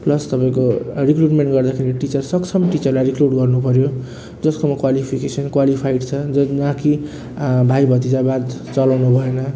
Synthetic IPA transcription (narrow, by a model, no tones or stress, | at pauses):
plʌst̪ʌpãĩkorikruʈmeɳʈɡʌrd̪akʰeɾiʈit͡sʌrsʌkt͡sʰʌmʈit͡sʌrlajrikruʈɡʌrnupʌɾjo | d͡zʌskomʌkwalipʰikesʌnkwalipʰajɖt͡sʰʌd͡zʌd͡zãki | bʱajbʱʌt̪id͡zabad̪t͡sʌlawnubʱʌenʌ